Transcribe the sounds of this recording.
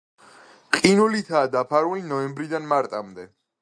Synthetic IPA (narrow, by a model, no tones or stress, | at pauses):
qʼinulit̪ʰaːd̪apʰaɾuinɔɛmbɾid̪anmaɾt̪ʼamd̪ɛ